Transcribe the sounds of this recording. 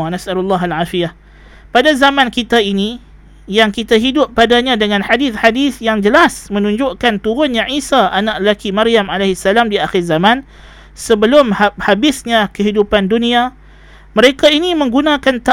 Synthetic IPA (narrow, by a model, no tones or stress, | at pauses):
anasʔalulːaɦalʕaːfijah | padazamãnkit̪aini | jaŋkit̪aɦidʊpːadaɲãdəŋãnħadɪθħadɪθjaŋd͡ʒəlasmə̃nũɲd͡ʒʊʔkant̪uɾʊnɲãʕisaʔanaʔəlakimaɾiamalahsːalamdiaxɪrzamãn | səbəlʊmhahabɪsɲãkəɦidupandunia | məɾekainimə̃ŋɡunãkant̪a